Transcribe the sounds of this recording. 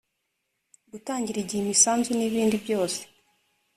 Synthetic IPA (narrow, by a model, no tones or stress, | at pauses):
ɡutaːɲɟiɾiɟihimisaːnzuniβiːndibjo̞ːse̥